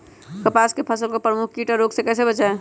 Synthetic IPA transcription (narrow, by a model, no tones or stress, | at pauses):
kəpaskepʰəsəlkopɾəmukʰkiʈɔɾoɡsekɛːsebət͡ʃae